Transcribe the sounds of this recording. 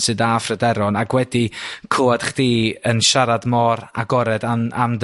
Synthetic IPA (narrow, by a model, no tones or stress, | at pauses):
sɨːdaːfrədɛɾɔnaɡwɛdikʰʊad̥χd̥iːənʃaɾadmɔɾa̰ɡɔɾɛdaamd